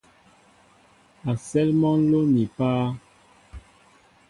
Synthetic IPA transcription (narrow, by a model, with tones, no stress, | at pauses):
a˨sɛ˦lmɔ˦n˦lo˦ni˨paː˦